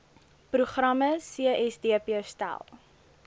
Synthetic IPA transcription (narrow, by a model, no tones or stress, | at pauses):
pɾuχrɐməsiəʔɛsdiəpiəstæ̰lˠ